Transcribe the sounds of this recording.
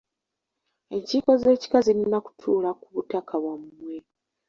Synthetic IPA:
e̞ɲciːko̞ze̞ːci̥kazininaku̥tʰuːlakuβutakʰaβwamːwe

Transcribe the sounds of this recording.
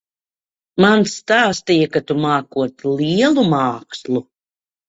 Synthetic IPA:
mansːt̪aːst̪ijakat̪umaːkuɔt̪lʲiɛlˠumaːkslˠu

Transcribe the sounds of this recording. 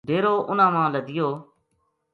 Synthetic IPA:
ɖeːɾoːʔʊnãːmãːləd̪ɪjoː

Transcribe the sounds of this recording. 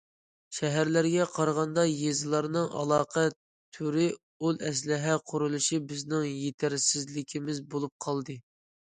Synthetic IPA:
ʃɛɦæɾlæɾɡʲɛqʰɑɾʁɑnd̪ɑjezɨlˠɑɾnɨŋɑ̰lˠɑːqʰɛ | t̪ʰyɾɪ | ulˠɛs̬lɪɦɛqʰʊɾulˠuʃibɪznɪŋjet̪ʰæɾsɪzlɪkʲʰimɪzbolˠup̚qʰɑlˠd̪ɨ

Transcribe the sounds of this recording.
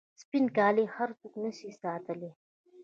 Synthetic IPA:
spinkaːlehaɾt͡suknɐsisaːt̪əli

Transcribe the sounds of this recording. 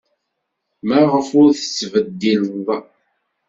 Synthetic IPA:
mæʁəfʊɾθə̥t͡sːvəd̪ːiləð

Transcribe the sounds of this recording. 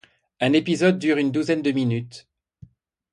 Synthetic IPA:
ɛ̃nepizɔd̪̚ːyʁynd̪uzɛnd̪əminyt̪

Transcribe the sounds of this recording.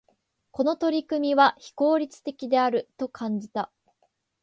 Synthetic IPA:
ko̞no̞t̪o̞ɾʲikɯ̟mʲiβaçi̥ko̞ːɾʲit͡sɨ̥t̪e̞kʲid̪e̞aɾɯ̟t̪o̞kʰãɲ̟d͡ʑit̪a

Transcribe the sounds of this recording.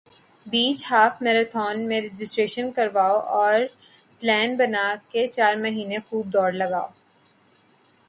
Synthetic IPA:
biːt͡ʃhaːfʰmɛːɾat̪ʰɔːnmẽɾɛd͡ʒɪsʈɾeːʃənkɐɾʋaːoʔɔːɾ | plɛːnbɐnaːket͡ʃaːɾmɐɦiːnexuːb̚d̪ɔːɾlɐɡaːo

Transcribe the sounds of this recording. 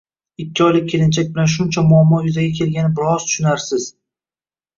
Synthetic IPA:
ɪkʲʰːɪɒjlɪk̚ʲʰːe̞lɪnt͡ʃʰak̚ʲbɪlanʃ̬ʊnt͡ʃʰamʊamːɒjʊzaɡʲakʲʰe̞lɡʲanɪbɪɾɒz̥t̪ʰʊ̥ʃʊnaɾsɪz̥

